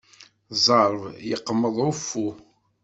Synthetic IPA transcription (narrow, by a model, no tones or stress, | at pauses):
zˤɑɾˤvjəqːəmːəðˤʊfːu